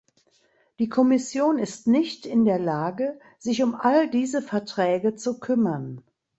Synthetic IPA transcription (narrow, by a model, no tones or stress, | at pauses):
d̥iːkʰɔmɪsjoːnɪstnɪçtɪndeːɐlaːɡə | zɪçʊmʔaldiːzəfɛɐtʁ̥ɛːɡət͡sukʰʏmɐn